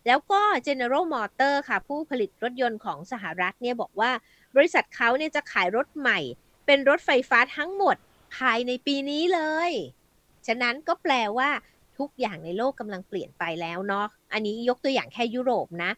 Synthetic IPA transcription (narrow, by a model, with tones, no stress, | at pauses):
lɛː˦˥wkɔː˥˩t͡ɕe˧ne˧ɾoː˥˩mɔː˧t̪ɤː˥˩kʰa˥˩pʰuː˥˩pʰa˧li˨˩t̪̚ɾo˦˥t̪̚jo˧nkʰɔː˩˦ŋsa˨˧ɦa˩˦ɾa˦˥t̪̚ni˥˩ɐbɔː˨˩k̚waː˥˩ | bɔː˧ɾi˧˥sa˨˩t̪̚kʰa˦˥wni˥˩ɐt͡ɕa˨˩kʰaː˩˦jɾo˦˥t̪̚ma˨˩j | pe˧nɾo˦˥t̪̚fa˧jfaː˦˥t̪ʰa˦˥ŋmo˨˩t̪̚ | pʰaː˧jna˧jpiː˧niː˦˥lɤː˧j | t͡ɕʰa˧na˦˥nkɔː˥˩plɛː˧waː˥˩ | t̪ʰu˦˥k̚jaː˨˩ŋna˧jloː˥˩kːa˧mla˧ŋpli˨˩ənpa˧jlɛː˦˥wnɔ˦˥ | ʔa˧nːiː˦˥jo˦˥k̚t̪u˧əjaː˨˩ŋkʰɛː˥˩juː˦˥ɾoː˨˩p̚na˦˥ʔ